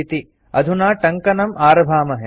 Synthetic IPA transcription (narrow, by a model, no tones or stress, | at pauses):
it̪i | ɐd̪ʱunaːʈɐŋkɐnɐmʔaːɾɐbʱaːmɐɦe